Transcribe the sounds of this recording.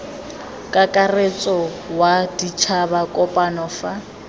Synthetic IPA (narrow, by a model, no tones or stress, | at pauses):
kʼakʼaret͡sʼɔ | wadit͡ʃʰabakʼɔpʼanɔfa